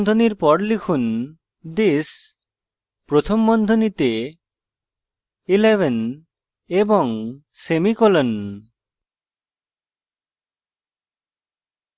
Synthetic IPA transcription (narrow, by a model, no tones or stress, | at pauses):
d̪ʱoniɾpɔɾlikʰun | d̪is | pɾot̪ʰomːɔnd̪ʱonit̪e | ilebʱen | ebɔŋ | semikolen